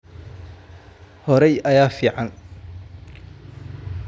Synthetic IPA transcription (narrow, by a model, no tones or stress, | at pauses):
hɔɾɛjɐjaːfiːʕɑn